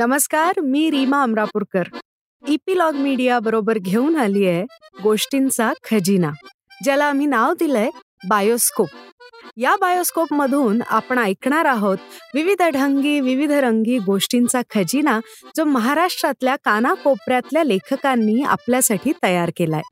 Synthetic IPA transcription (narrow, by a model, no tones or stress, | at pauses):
nəməskaɾmiːɾimaəmɾapuɾkəɾ | ipilɔɡmiɽijabəɾobəɾɡʱeuːnalijeɡoʂʈint͡sakʰəd͡ʑina | d͡ʑalaːm̤iːnaʋd̪ilə | bajoskop̚jabajoskopməd̪ʱuːna̰pɳ̃aajkɳaɾaɦot̪ʋiʋid̪ʱɽʱəŋɡiːʋiʋid̪ʱɾəŋɡiːɡoʂʈint͡sakʰəd͡ʑina | d͡zoməɦaɾaʂʈɾat̪ljakanakopɾjat̪ljalekʰəkanːiːa̰pljasaʈʰiːt̪əjaɾkelae